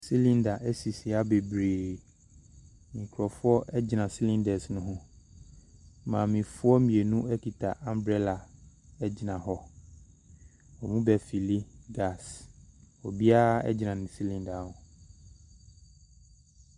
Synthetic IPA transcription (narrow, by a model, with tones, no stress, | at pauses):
si˦lĩ˦nda˨ʔɛ˦si˨si˨a˦be˨bɾeː˨ | mĩ˨kʰɾɔ˨fʊ˦ɔ˦ʔɛ˦d͡ʑɪ˨nã˨si˦lĩ˦ndɛ˨snʊ̃˦ɦʊ̃˦ | mã˨mĩ˨fʊ˦ɔ˦mĩ˨e˨nũ˦ɛ˦kʰi˨tʰa˨ʔã˨mbɾɛ˦la˨ | ɛ˦d͡ʑɪ˨nã˨ɦɔ˦ | ɔ˨mũ˦bɛ˨fi˨li˦ɡa˦˨s | ɔ˨bi˦a˦ɛ̰˦d͡ʑɪ˨nã˨nɪ̃˨si˦lĩ˦nda˨˦hʊ̃˨